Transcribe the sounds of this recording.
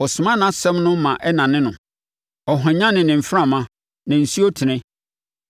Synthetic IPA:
ɔ˨sʊ˨mã˦nã˨˦sɛ̃˦mnʊ̃˦mã˨ʔɛ˦nã˨nɪ̃˦nʊ̰̃˨ | ɔ˨ɦã˨ɲã˦nɪ̃˨nɪ̃˨m̩˨fã˦˨mã˦ | nã˨n̩˨si˦o˦tʰɪ˨nɪ̃˦

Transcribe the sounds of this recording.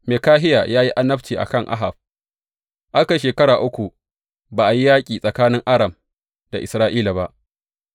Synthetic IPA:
meː˨kaː˦ɦɪ˦ja̰ː˨jaː˦ji˦ʔa˦nɐ˦ɸt͡ʃiː˨ʔa̰˨kɐ˦˨ŋʔa̰˦ɦa˨b̚ | ʔa˦ka˨ʃeː˨kɐ˦ɾaː˨ʔʊ˦kʷu˨ | baː˨ʔa˨ji˦jaː˦kʲʼiː˨sʼɐ˨kaː˦nɪ˦ŋʔa˦ɽɐ˨m | da̰˨ʔɪ˨sɾaː˦ʔiː˦la˨ba˦ʔ

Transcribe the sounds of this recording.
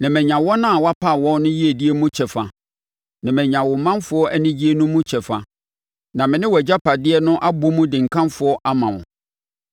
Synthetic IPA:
nã˨mɛ̃˨ɲã˨wɔ˦nã˦a˨wa˦pʰa˦˨wɔ̃˦n˦nʊ̃˦ji˦e˨di˦e˦mũ˦t͡ɕʰɛ˨fa˨ | nã˨mɛ̃˨ɲã˨wɔ˨mã˦nfʊ˨˦ɔ˦ʔæ˦nɪ̃˦d͡ʑi˦e˦nũ˦mũ˦t͡ɕʰɛ˨fa˨ | nã˨mɪ̃˨nɪ̃˦wɔ˨d͡ʑa˦pʰa˨dɪ˦ɛ˦nʊ̃˦ʔa˦bʊ˦mũ˦dɪ̃˨ŋ̩˨kʰã˦mfʊ˨ɔ˦ʔa˦mã˨ʊ̰̃˨

